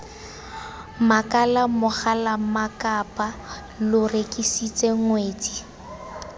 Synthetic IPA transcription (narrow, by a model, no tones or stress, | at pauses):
makʼalamʊχalamakʼapʼa | lʊrekʼisit͡sʼeŋweːt͡si